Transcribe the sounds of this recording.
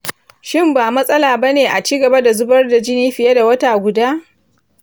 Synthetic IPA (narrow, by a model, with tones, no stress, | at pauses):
ʃɪ˦mbaː˨mɐ˦sʼɐ˦laː˨bɐ˦neː˨ʔa˨t͡ʃiː˦ɡɐ˨ba˦da˨zʊ˦bɐ˦rda˨d͡ʒɪ˦niː˦ɸɪ˨je˦da˨wɐ˦taː˨ɡʷʊ˨daː˦